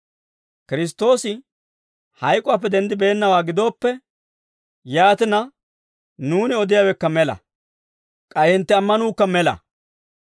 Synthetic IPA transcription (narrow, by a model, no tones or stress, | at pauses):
kɪɾɪs̬t̪ːo̞ːsɪ | hɐjkʼʊaːp̬ːɛd̪ɛnd̪ɪbe̞ːnːɐwaːɡɪd̪o̞ːpːɛ | jaːt̪ɪnɐ | nuːnɪɔd̪ɪjaːwɛkːɐmɛlɐ̰ | kʼɐjɪnt̪ːɛɐmːɐnuːkːɐmɛlɐ̰